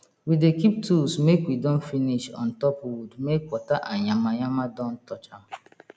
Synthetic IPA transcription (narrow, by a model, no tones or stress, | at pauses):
widekip̚tʰulsmekwidɔ̃nfiniʃɔ̰̃n̩tɔpwudmekwɔtaʔaɲamaɲamadɔ̃n̩tɔt͡ʃam̩